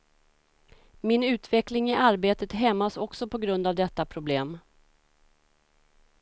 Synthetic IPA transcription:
mɪnʉ̟ːt̪vɛklɪŋɪʔaɾbeːt̪ət̪ɦɛmːasɔksɔpʰɔɡɾɵnd̪avd̪ɛt̪ːapʰɾʊbleːm

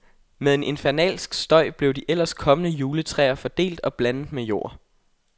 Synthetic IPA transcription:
meðˠe̝nʔe̝nfæɐnɛ̰ːlsɡ̥sd̥ɒ̽ɪ̰b̥le̝ʊd̥iʔel̰ɐskʰɒ̽mənəjuːlət͡sʰʁɛ̰ːɐfɒ̽d̥e̝̰ːld̥ɒ̽b̥lænð̩ˠmejo̝̰ːɐ̰

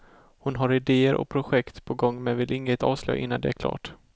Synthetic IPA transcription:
hʊnɦaɾɪd̪eːəɾʔɔ̰k̚pʰɾʊɧɛkt̪pʰɔɡɔŋːmɛnvɪlʔɪŋːət̪ɑ̰ːvslœ̰jʔɪ̰nːand̪ɛæɾkʰlɑ̰ːʈ

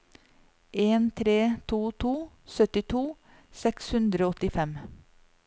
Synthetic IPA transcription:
ʔeːnt̪ʰɾeːt̪ʰuːt̪ʰuː | sœt̪ɪt̪ʰuː | sɛkshʉnd̪ɾoːɔt̪ɪfɛm

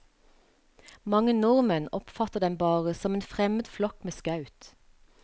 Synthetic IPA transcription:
mɑŋənʊʁmənɔpfɑt̪əd̪ɛmbɑːʁəsɔmeːnfʁɛməd̪flɔkmeːskɑʉt̪

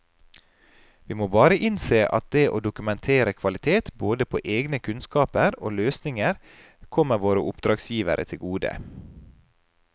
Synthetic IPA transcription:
ʋiːmoːbɑːɾəʔɪnseːʔɑ̰t̪̚d̪eːʔo̰ːd̪ʊkʉmɛnt̪ʰeːɾəkʰʋɑlɪt̪ʰeːt̪boːd̪əpʰo̰ːʔeːɡnəkʰʉnskɑːpəɾo̰ːløːsnɪŋəɾ | kʰɔməʋoːɾəʔʊpd̪ɾɑːɡsjiːʋə̰ɾʔə̰t̪ʰɪlɡuːd̪ə̰

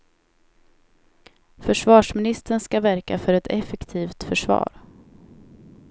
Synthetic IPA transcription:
fœʂvɑːʂmɪnɪst̪əɳskavæɾkafœɾɛt̪ʰɛfɛkt̪ʰiːft̪fœʂvɑ̰ːɾ

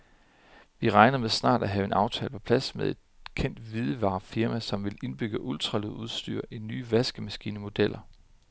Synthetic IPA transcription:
ʋiʁɑ̈ɪnɐmeðˠsnɑ̰̈ːd̥æɦɛːʊe̝nɑ̈ʊt͡sʰɛ̰ːləpʰɒ̽pʰlæsmeðˠe̝d̥̚kʰen̰d̥ʋið̞ˠəʋɑ̰̈ːfiɐmæsɒ̽mʋe̝le̝nb̥yɡ̥əʔult͡sʰʁɑ̈louð̞ˠsd̥y̰ːɐ̰ʔinːyːʋæsɡ̥əmæsɡ̥ḭːnəmo̝d̥el̰ʔɐ

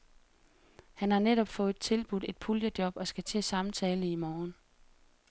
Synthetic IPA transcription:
hænhɑ̈neɾ̥ɒ̽b̥fɔ̽ːð̩ˠt͡sʰe̝lb̥ud̥e̝d̥̚pʰuljəd̥jɒ̽b̥ɒ̽sɡ̥æt͡sʰḛsɑ̈mt͡sʰɛːləimɒːn

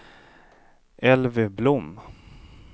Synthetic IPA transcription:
ʔɛlvəblʊm

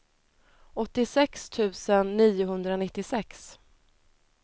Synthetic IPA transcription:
ɔt̪ːɪsɛkst̪ʰʉ̟ːsənːiːʊɦɵnd̪ɾaɔnɪt̪ːɪsɛks

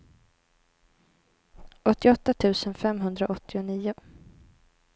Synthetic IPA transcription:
ʔɔt̪ːɪɔt̪ːat̪ʰʉ̟ːsənfɛmɦɵnd̪ɾaʔɔt̪ːɪʊniːʊ

